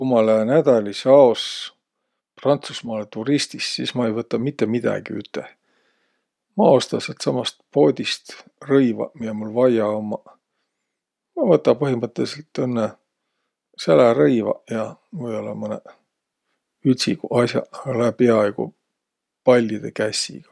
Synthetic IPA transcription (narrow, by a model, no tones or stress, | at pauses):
kumɑlæenæd̪̥ɑlʲisɑos | prɑnt̪susmɑːlet̪uɾist̪issismɑejvɤt̪ːˑɑmit̪ːe̞mid̪̥ɑ̰ɡ̥ḭy̰t̪ːˑe | mɑo̞st̪ɑset̪sɑmɑst̪̚po̞ːd̪̥ʲist̪rɤjvɑ̰miemulvɑjɑomːɑ | mɑvɤt̪ːɑpɤɦimɤt̪ˑːeliselt̪ːenːe | sælæɾɤjvɑ̰jɑmɤjolːɑmɤne | yt̪sikuɑsjɑ̰læpeɑeɡ̥ṵ | pɑlʲːid̪ekæsʲḭɡ̥ɑ̥